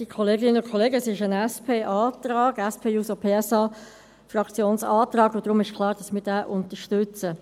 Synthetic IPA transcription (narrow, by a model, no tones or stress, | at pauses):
d̥ikʰɔleːɡɪnəʊnkʰχɔleːɡəsɪʃənɛspʰeːʔaːt̪rɑːɡ̥ɛspʰeːuːsopʰeːɛsɑː | frɑkt͡sjoːnsɑːtrɑːɡod̥ɾʊmɪʃkʰlˠɑːʁd̥ɑsmɪːd̥æːʔʊnt̪əʃtʏt͡sə